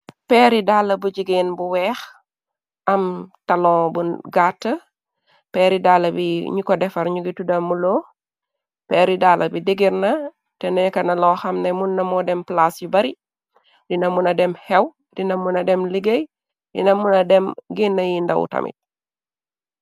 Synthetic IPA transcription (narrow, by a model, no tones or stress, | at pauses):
pɛɾidalːɐbuɟiɡiːnbuwɛːx | ʔɐmtɐlɔ̃ːbuɡatːɐ | pɛːɾidaːlːɐbiɲikɔdɛfɐɾɲuɡitudɐmːulɔː | pɛːɾidalʔɐbidiɡiɾnɐ | tɛnɛɲkɐnɐlɔːxɐmnemunːɐmɔdɛmplasjubɐɾi | dinɐmunɐdɛmhɛw | dinɐmunɐdɛmliɡej | dḭnɐmunɐdɛmɡinːɐjindɐ̰wṵtɐ̰mʔḭt̚